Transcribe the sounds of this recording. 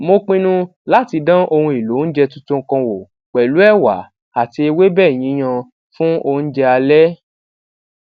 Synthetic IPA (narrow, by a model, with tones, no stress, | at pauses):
mo˧k͡pĩ˦nũ˦ | la˦ti˧dã˦ʔo˧hũ˧e˨lo˨˦n̩˦d͡ʒɛ˧tũ˦tõ˦ŋ̩˦˧kã˧wo˨ | k͡pɛ˨lu˨˦ɛ˦˨wa̰˨˦ | a˨ti˧e˧we˦bɛː˦˨j̃ĩ˨˦j̃ã˧ | fũ˦o˧n̩˦d͡ʒɛ˧a˧lɛ˦